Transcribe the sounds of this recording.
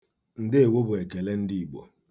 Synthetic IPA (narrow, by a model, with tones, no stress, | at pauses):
n̩˨dɪ˦e˨wo˦bʊ˨e˨ke˨le˦n̩˦di˦i˨ɡ͡bo̰˨